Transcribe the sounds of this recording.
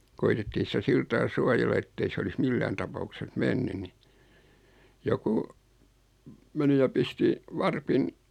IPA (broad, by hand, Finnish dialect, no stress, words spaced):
koitetːiː sĭtæ siltɑː suɑjelːɑ etːei s olis milːæːn tɑpɑukses menːy ni joku meni jɑ pisti ʋɑrpin